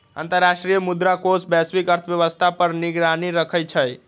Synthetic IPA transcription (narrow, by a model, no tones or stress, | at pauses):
ə̰nt̪əɾːasʈɾijəmud̪ɾakosbɛsbikəɾt̪ʰəbjəʋəst̪ʰapəɾniɡɾaniɾəkʰəjt͡ʃʰəj